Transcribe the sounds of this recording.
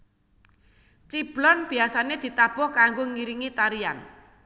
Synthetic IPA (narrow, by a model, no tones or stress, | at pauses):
t͡ʃib̥lɔnb̥i̤asaned̪̥i̤t̪ab̥ɔhkaŋɡoŋiɾiŋit̪aɾian